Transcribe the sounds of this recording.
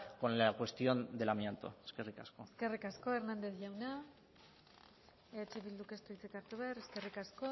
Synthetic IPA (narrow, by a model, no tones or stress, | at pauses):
ko̞nlakwe̞st̪jo̞nd̪e̞lamjent̪o̰eskerikaskoske̞rikasko̞eɾnand̪e̞θʝawna | et͡ʃe̞βild̪ukest̪uit͡sekaɾt̪uβeɾeske̞rikasko̞